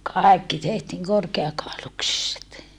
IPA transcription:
kɑˑekːi tehtiːŋ korkeɑkɑˑoluksiset

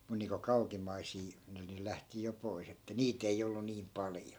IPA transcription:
mun niːŋko kɑukimˑɑisiː ni ne læhti jo pois etːæ niːt ei olːu niːm pɑljo

